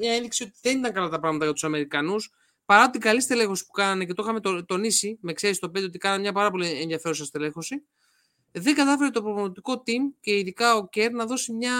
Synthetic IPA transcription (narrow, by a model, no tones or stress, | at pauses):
mɲɐe̞nðiksio̞t̪iðe̞nit̪ɐŋkɐlɐt̪ɐpɾɐɣmɐt̪ɐjɐt̪u̥sɐme̞ɾikɐnus | pɐɾɐpot̪iɡɐlist̪e̞le̞xo̞si̥pu̥kɐnɐnece̞t̪oxɐmet̪ot̪o̞nisime̞kseɾist̪o̞pe̞not̪ikɐnɐnmɲɐpɐɾɐpo̞lie̞nðjɐfe̞ɾusɐst̪e̞le̞xo̞si | ðe̞ŋɡɐt̪ɐfe̞ɾet̪o̞pɾovonot̪iko̞t̪imce̞iðikɐo̞ce̞ɾnɐðo̞simɲɐ